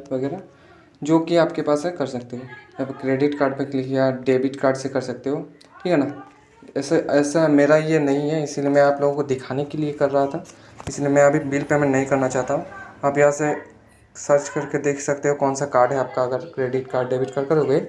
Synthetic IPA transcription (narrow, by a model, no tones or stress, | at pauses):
ʋɐɡɛːɾa | d͡ʒoːkiaːpkepaːsɦɛkɐɾsɐk̚t̪eɦoːɐbkɾeːɖɪʈkaːɾɖ̚pẽklɪkʰjaɖeːbɪʈkaːɾɖsekɐɾsɐk̚t̪eɦoː | ʈʰiːkɛnaː | ɛːsaʔɛːsameːɾajenɐɦĩɦɛɪsiliemɛ̃aːploːɡõkod̪ɪkʰaːnekeliekɐɾːɐɦat̪ʰa | ɪsliemɛ̃ɐbʱibilpemẽnɐɦĩkɐɾnat͡ʃaːɦt̪aɦũaːpjɐɦãse | sɐɾt͡ʃkɐɾked̪eːkʰsɐk̚t̪eɦokɔːnsakaːɾɖɦɛaːp̚kaɐɡəɾkɾeːɖɪʈkaːɾɖɖeːbɪʈkɐɾkɐɾɦoːɡɐeː